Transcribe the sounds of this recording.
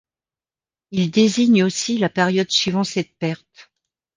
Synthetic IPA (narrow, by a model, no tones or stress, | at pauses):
ild̪eziɲosilapeʁjɔd̪sɥivɑ̃sɛt̪̚pɛʁt̪